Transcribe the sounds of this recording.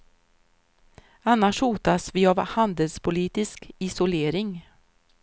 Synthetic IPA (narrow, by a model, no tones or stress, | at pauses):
anːaʂhuːt̪asvɪavhand̪əlspʰʊliːt̪ɪskɪsʊleːɾɪŋ